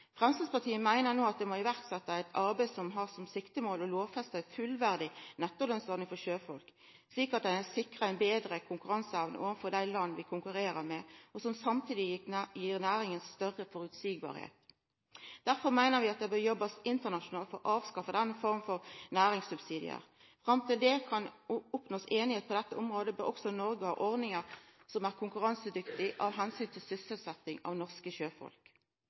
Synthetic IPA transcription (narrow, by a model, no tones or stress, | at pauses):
fʁɛmslɑspɑʁt̪ʰiːəmæɪnəʁnoːɑt̪̚d̪ɛmɔɪʋæʁt̪sɛt̪ːəæɪt̪ʰɑɾbæɪsɔmɦɑʁsɔmsɪkt̪əmoːlɔloːʋfɛst̪æɪfʉlʋæʁd̪ɪnɛt̪ːəʁlœnsɔɾnɪŋfɔʃøːfɔlk | sliːkɑt̪̚d̪ææsɪkʁəæɪnbeːd̪ɾəkʰʊŋkʉʁɑnsəɛʋnə̰ʔoːʋnfɔɾd̪æɪlɑnːʋɪkʰʊŋkʉɾeːɾəɾmɛɔsɔmsɑmt̪ʰiːd̪ɪjiːʁnæːɾɪŋənsːt̪œʁəfɔɾʉt̪siːɡ̚bɑ̰ːɾhḛːt̪ | d̪̥æʁfɔʁmæɪnəʁʋɪɑt̪̚d̪ɛbœɾjɔbːɑsɪnt̪əʁnɑʃʊnɑːlt̪fɔʁɔʔɑːʋskɑfəd̪ɛnːəfɔʁmfɔʁnæːʁɪŋsʉbsiːd̪ɪ̰ə̰ʁ | fʁɑmt̪ʰɪld̪ɛkʰɑnʊpnoːseːnɪheːt̪̚pʰɔd̪ɛt̪ːəɔmʁoːd̪əbœʁɔksɔnɔɾɡəhɑ̰ːʔɔʁd̪nɪŋəʁsɔmæːʁkʰʊŋkʉʁɑnsəd̪ʏkt̪ɪʔɑʋɦɛnsyːnt̪ʰɪlsʏsəlsɛt̪ːɪŋɑ̰ːʋnɔʁskəʃøːfɔ̰lk